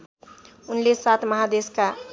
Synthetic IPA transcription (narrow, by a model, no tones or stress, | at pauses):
ʊnlesat̪ʰməɦad̪eska